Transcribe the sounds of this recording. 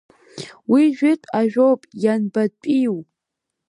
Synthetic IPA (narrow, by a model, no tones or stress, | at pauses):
wiʒᶣɪtʰʼaʒᶣowpʼjanbat͡pʷʼiw